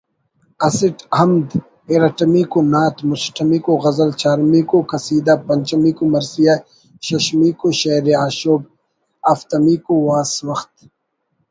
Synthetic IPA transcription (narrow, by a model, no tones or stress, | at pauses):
ɐsiʈhɐmd̪ | eɾɐʈɐmikonaːt̪mʊsʈʰɐmiːkoɣɐzɐlt͡ʃaːɾmiːkokɐsiːd̪apɐnt͡ʃɐmiːkomɐɾsija | ɕɐɕmiːkoɕɐːɾeaːʃoːb̚ | ɐft̪ɐmiːkowaːswɐxt̪̚